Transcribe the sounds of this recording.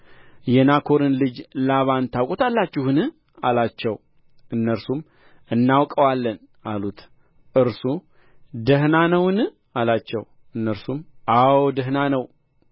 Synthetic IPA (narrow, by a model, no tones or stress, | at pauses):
jɛnakʰo̞ɾɨnlɨd͡ʒlaβant̪ʰawkʼot̪alːat͡ʃːɪhɨnɨ | alat͡ʃːɛw | ʔɨnːəɾsum | ɨnːawkʼəwalːən | ʔalut̪ | ʔɨɾsu | d̪əhnanəwɨnɨ | alat͡ʃːɛw | ɨnːəɾsumʔawd̪əɦnanəw